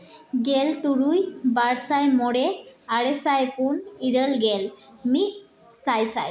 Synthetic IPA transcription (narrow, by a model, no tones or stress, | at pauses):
ɡelt̪uɾujbaɽsajmɔɽɛaɽesajpuniɾəlɡɛlmi | sajsaj